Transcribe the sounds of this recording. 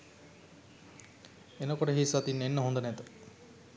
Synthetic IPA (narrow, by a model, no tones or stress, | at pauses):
enɐkoʈeɦisat̪inːenːəɦund̪ɐnet̪o